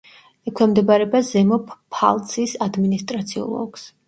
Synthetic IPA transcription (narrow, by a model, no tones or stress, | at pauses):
ɛkʰwɛmd̪ɛbaɾɛbazɛmɔpʰpʰa̰lˠt̪sʰʼisad̪minist̪ʼɾat̪sʰiɔ̰lˠɔ̰ɡ̥s